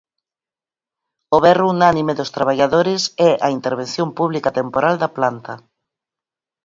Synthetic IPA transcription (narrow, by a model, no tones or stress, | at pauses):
oβɛruunanimeðʊst̪ɾaβaʎaðoɾɪsɛʔɐint̪eɾβen̟θjõmpuβlikat̪empoɾald̪ɐplant̪ɐ